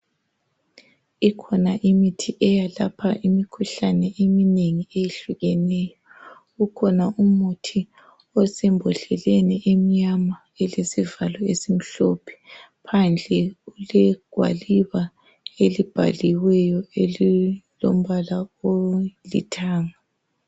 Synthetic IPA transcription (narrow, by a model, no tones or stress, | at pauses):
ikʰɔnaʔimitʰiʔɛjalapʰaʔimikʰuɬanɛʔemineŋiejeɬuɣɛnɛːjɔ | ɣukʰɔnaumutʰi | ɔsɛmbʱɔɬɛlɛnɛʔem̩ɲama | ɛlesivalɔesim̩ɬɔpʰɛ̥ | pʰand͡ɮʱɛulɛɡ̥ʱwa̰liβa | elib̥ʱa̰liwɛjɔelilo̰m̩βalaolḭtʰaːŋa